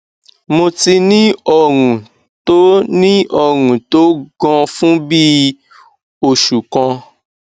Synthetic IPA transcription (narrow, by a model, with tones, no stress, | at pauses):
mo˧ti˧nĩ˦ɔ˦˨ɾ̃ũ˨ | to˦nĩ˦ɔ˧˨ɾ̃ũ˨to˨˦ɡɔ̃˧fũ˦bi˦ | o˨ʃu˨kɔ̃˧